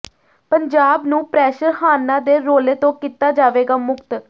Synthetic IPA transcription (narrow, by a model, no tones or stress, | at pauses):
pəɲd͡ʒaːbnũːpɾɛːʃəɾhaːnːãːd̪eːɾoːleːt̪õːkiːt̪aːd͡ʒaːʋeːɡaːmʊkt̪